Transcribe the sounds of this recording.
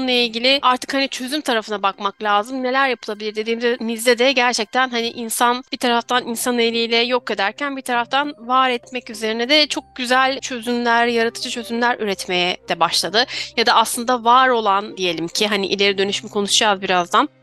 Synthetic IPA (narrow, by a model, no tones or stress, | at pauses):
nlˠailʲɟilʲɪaɾt̪ʰɯ̥khanit͡ʃʰøzymt̪ʰaɾafɯnabakmaklʲaːzɯmne̞lʲæɾjapʰɯlˠabilʲiɾd̪ed̪iːmizɛmizd̪ɛd̪ɛɟæɾt͡ʃʰɛc̚t̪ʰænɦaniʔinsanb̥it̪ʰaɾaft̪ʰaninsanelʲiːlʲɛjo̞ke̞d̪æɾcʰænbit̪ʰaɾaft̪ʰanvaːɾɛt̪mɛcyze̞ɾinɛd̪ɛt͡ʃʰo̞k̚ɟyzælʲt͡ʃʰø̞zymlʲæɾɾjaɾat̪ʰɯ̥d͡ʒat͡ʃʰø̞zymlʲæɾyɾɛt̪me̞jɛd̪̥ɛbaʃlˠad̪ɯjad̪aːslˠɯnd̪avaːɾo̞lˠand̪ije̞lʲimcʰiɦaniʔilʲe̞ɾid̪ønyʃmɛkʰo̞nuʃd͡ʒazbiɾazd̪an